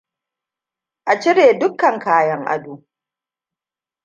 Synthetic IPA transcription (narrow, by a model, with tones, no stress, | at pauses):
ʔa˨t͡ʃɪ˦ɽeː˨dʊ˦kːɐ˨ŋkaː˦jɐ˦ŋʔa̰˦duː˨